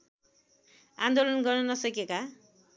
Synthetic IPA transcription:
a̰nd̪olʌnɡʌrnʌnʌsʌkeka

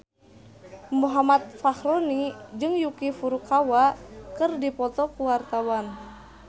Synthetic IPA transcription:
muɦamat̪̚fahɾɔnid͡ʒɨŋjukifuɾukawakɨrdipɔt̪ɔkuwart̪awan

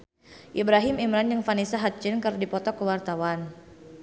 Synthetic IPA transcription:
ʔibɾaɦɪmimɾanjəŋfanisaɦat̪̚t͡ʃinkərdipɔt̪ɔkəwart̪awan

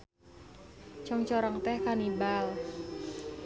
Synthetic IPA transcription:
t͡ʃɔŋt͡ʃɔɾɔŋt̪ɛhkanibal

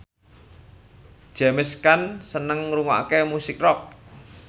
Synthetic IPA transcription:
d̥ʒ̥a̤mɪskansənəŋːɾuŋɔʔa̰kemusɪk̚rɔk̚

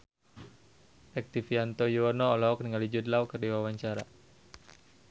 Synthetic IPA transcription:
ʔɛk̚t̪ifiant̪ɔjuɔnɔːlɔɔk̚niŋalid͡ʒud̪lawkɨrdiwawaɲt͡ʃaɾa̰

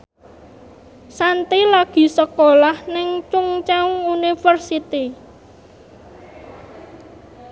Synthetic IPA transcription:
sant̪ilaɡ̥i̤səkolahnɪŋt͡ʃuŋt͡ʃaŋunifərsit̪i

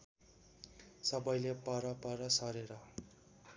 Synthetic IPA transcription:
sʌbʌjlepʌɾʌpʌɾʌsʌɾeɾʌ

